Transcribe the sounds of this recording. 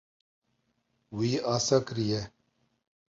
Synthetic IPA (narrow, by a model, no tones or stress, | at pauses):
wiːasɐkɾije